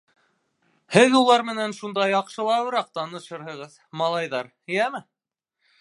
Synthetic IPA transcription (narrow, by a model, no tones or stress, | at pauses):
hɘðulˠɑɾmɘ̆nænʃund̪ɑjɑqʃɤ̆lˠɑwɤɾɑq̚t̪ɑnɤ̆ʃɤɾhɤ̆ʁɤð | mɑlˠɑjðɑɾ | jæmɘ